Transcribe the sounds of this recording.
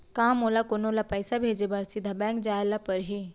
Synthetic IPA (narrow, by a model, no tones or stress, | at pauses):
kaːmoːlakonoːlapəːsabʱeːd͡ʒebaːɾsid̪ʱabɛ̃ːŋkd͡ʒaːjlapəɾɦi